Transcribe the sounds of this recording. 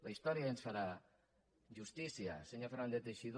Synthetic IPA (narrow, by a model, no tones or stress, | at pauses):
laist̪oɾiaðensaɾa | ʝust̪isia̰seɲafɾand̪et̪eʃið